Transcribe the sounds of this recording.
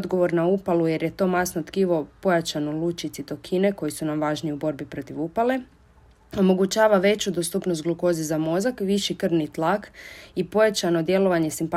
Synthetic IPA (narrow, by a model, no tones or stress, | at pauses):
d̪ɡo̞ʋo̞ɾnaupalˠuje̞ɾje̞t̪o̞ːmasnot̪kiʋo̞po̞jat͡ʃanolˠut͡ʃit̪sit̪o̞kʰine̞ko̞jisunamʋaːʒniubo̞ɾbipɾo̞t̪iʋupale̞ | o̞mo̞ɡut͡ɕaːʋaʋe̞t͡ɕud̪ost̪upnost̪ɡluko̞zizamo̞zakʋiʃikr̩nit̪lˠakipo̞jat͡ʃano̞d̪je̞lo̞ʋaɲe̞simpa